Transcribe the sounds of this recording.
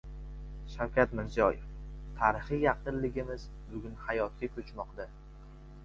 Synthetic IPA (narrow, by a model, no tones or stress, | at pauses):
ʃawkʲat̪mɪɾzijɒjft̪ʰaɾɪχɨjɑqɨnlɪɡʲɪmɪz | bʊɡʲʊnhajɒt̪̚kʲakʲʰɵt͡ʃmɒqd̪a